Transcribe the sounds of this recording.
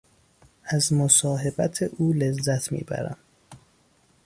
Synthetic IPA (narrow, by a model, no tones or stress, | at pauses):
ʔæzmosɒːɦe̞bæt̪ʰeʔuːlezːæt̪ʰmḭːbæ̰ɾæ̰m